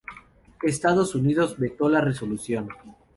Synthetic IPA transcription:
est̪að̞osuniðo̞zβe̞t̪o̞lareso̞lusjo̞n

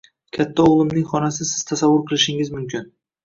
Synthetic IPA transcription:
kʲʰat̪ʰːaoʁlˠɪmnɪŋχɒnas̬ɪsɪz̥t̪ʰasavːʊɾqʰɨlˠɪʃɪŋɪzmʊmkʲɪn

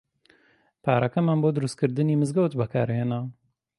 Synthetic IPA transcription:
pʰaːɾɐkɐmanboːd̪ɨɾust̪̚kɨɾd̪ɨniːmɨzɡɐwt̪bɐkʰaːɾheːna

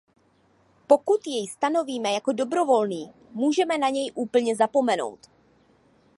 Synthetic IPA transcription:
po̞kut̪jɛjst̪ano̞viːmɛjako̞do̞bɾo̞vo̞lniː | muːʒɛmɛnaɲɛjʔuːpl̩ɲɛzapo̞mɛno̞̰wt̪

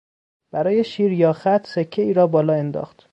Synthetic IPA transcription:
b̥æɾɒːje̞ʃiːɾjɒːxæt̪ʰsekʰːeiːɾɒːbɒːlɒːe̞nd̪ɒ̰ːxt̪

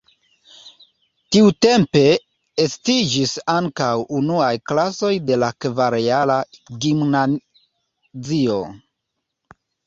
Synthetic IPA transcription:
tiute̞mpe̞ | estid͡ʒisaŋkawunuajklaso̞jde̞lakvaɾealaɡimna | zio̞̰

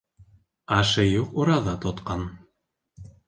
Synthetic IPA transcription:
ɑʃɤjuquɾɑðɑt̪ŏt̪qɑn

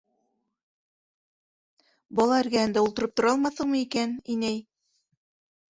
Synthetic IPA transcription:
bɒlˠɑɘ̆ɾɡæænd̪æulˠt̪ɤ̆ɾɤp̚t̪ŏɾɑlˠmɑθɤ̆ɴmɤikæninæj

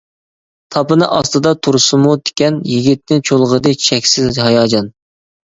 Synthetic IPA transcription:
t̪ʰɑpɨnɨʔɑst̪ɨd̪ɑt̪ʰuɾsʊmud̪ɪ̥kʲɛnjiɡʲit̪̚nɪt͡ʃʰolˠʁəd̪ɨ̥t͡ʃʰɛkʲsɪzɦɑjɑːd͡ʒɑn

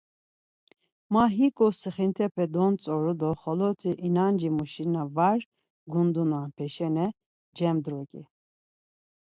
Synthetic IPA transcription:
maɦikʼɔsɨχint̪ʰɛpʰɛd̪ɔnt͡sʼɔɾud̪ɔχɔlɔt̪ʰiʔinand͡ʒimuʃinavaɾ | ɡund̪unanpʰɛʃɛnɛ | d͡ʒɛmd̪ɾɔkʼḭ

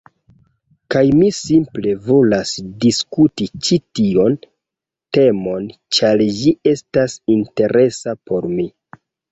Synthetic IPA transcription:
kajmisimple̞vo̞lasdiskutit͡ʃitio̞n | te̞mo̞nt͡ʃaɾd͡ʒie̞stasinte̞ɾe̞sapo̞ɾmi

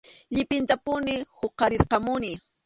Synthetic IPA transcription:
ʎɪpɪnt̪apʊnɪhoqːɑɾɪɾqɑmʊnɪ

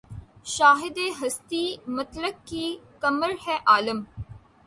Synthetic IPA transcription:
ʃaːɦɪd̪eːɦɐst̪imɐt̪ləb̚kikɐməɾhɛːʔaːləm

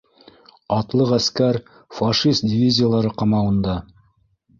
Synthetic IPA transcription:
ɑt̪lˠɤqæskæɾ | faʃist̪̚dʲɪvʲizʲɪjalˠɑɾɤqɑmɑwɤ̆nd̪ɑ

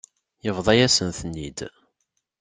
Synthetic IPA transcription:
jəvðˤæjæsənθənːid̪

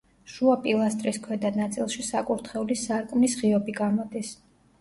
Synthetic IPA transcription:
ʃuapʼilˠast̪ʼɾiskʰwɛd̪anat̪sʼilˠʃisakʼuɾt̪ʰχɛulisaɾkʼmnisʁiɔbiɡamɔd̪is

